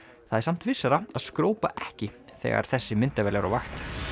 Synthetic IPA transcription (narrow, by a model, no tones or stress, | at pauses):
θaðɛɾsam̥t̪vɪsːaɾaaskɾoːwpaʔɛhcɪθɛ̰ːɣa̰ɾ̥θɛsːɪmɪnt̪avɛːlɛɾa̰vaxt̪